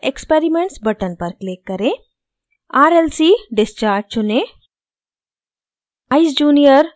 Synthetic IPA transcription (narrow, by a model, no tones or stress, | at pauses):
ekspeɾimeɳʈsbəʈənpəɾklekːəɾe | aːɾelsiːɖist͡ʃaːɾd͡ʒt͡ʃune | aisd͡ʒuːnijəɾ